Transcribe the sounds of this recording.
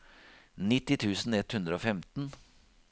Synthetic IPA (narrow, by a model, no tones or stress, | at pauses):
nɪt̪ːɪt̪ʰʉːsn̩ɛt̪hʉnd̪ɾəoːfɛmt̪n̩